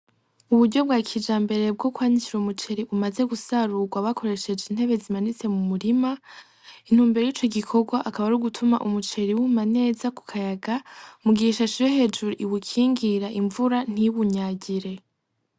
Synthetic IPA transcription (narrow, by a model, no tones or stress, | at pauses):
uβudɟo̞b̚ɡaːkʰid͡ʒaːmbe̞ɾe̞b̚ɡo̞kwaːɲiciɾomut͡ʃe̞ɾiʔumaze̞ɡusaɾuɡwaβakʰo̞ɾe̞ʃe̞d͡ʒenhe̞βe̞zimanit͡se̞mumuɾima | in̥huːmbeɾejiːt͡ʃo̞ɡikʰo̞ɡwaʔːkaβaɾuɡutʰumaʔumut͡ʃe̞ɾiwumane̞ːzaku̥kʰajaɡamuɡiʃaʃiɾeɦe̞d͡ʒuɾiʔiwukʰiːŋɡiɾaʔiɱvuɾan̥iβuɲaːɟiɾe̞